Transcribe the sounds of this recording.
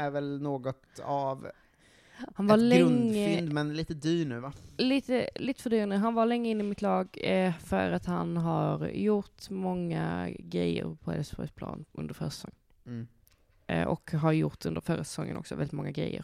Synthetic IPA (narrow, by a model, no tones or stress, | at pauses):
æɾvɛlnoːɡɔt̪av | hanvalɛɾɵəɪnd̪mɛnliːt̪əd̪yːɳʉ̟ːvaliːt̪əliːt̪əfœɖyːɾanʉ̟ːɦanvaɾlɛŋːəɪnːɪmɪt̪ʰlɑːɡfœ̰ɾat̪hanɦaɾjʊt̪mɔŋːa̰ɡɾɛjːə̰ɾpʰɔɛ̰lsbɔʏspʰlɑ̰ːnʔɵnd̪əɾfœːɾsɛ̥sɔ̰ŋːn | ʔɔkɦaɾjʊt̪ɵnd̪əɾfœːɾasɛ̥sɔŋːənɔ̰ksɔvɛlɪt̪mɔŋːaɡɾɛ̰jːə̰ɾ